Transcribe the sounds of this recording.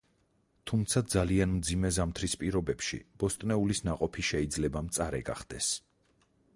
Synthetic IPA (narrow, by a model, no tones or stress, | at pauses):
t̪ʰumt̪sʰad̪zalianmd̪zimɛzamt̪ʰɾispʼiɾɔbɛpʃḭb̥ɔst̪ʼnɛulisnaqʼɔpʰiʃɛid̪zlɛbamt̪sʼaɾɛ̰ɡa̰χd̪̥ɛs